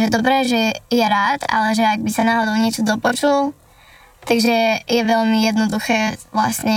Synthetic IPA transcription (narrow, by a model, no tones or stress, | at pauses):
ʒɛd̪ɔbɾɛːʒɛjɛɾaːt̪a̰lɛʒɛaɡ̚bisanaːɦɔd̪ɔʊɲɪɛt͡ʃɔd̪ɔpɔt͡ʃul | t̪aɡʒɛjɛʋɛʎmijɛd̪nɔd̪uxɛːʋla̰sɲɛ